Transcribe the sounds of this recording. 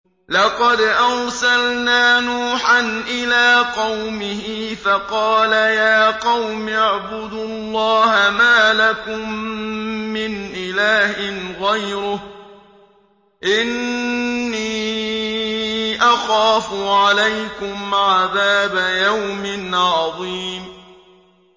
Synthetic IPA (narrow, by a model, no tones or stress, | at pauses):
lɑqɑd̪ʔɑɾˤsalnaːnuːħanʔɪlaːqɑwmɪhɪfɑqɑːlajaːqɑwmaʕbʊd̪ʊlˤːɑːhamaːlakʊmː | ɪnʔɪlaːhɪɣajɾʊh | ʔɪnː | iː | ʔɑxaːfʊʕalajkʊmʕaðaːbajawmɪnʕɑðˤiːm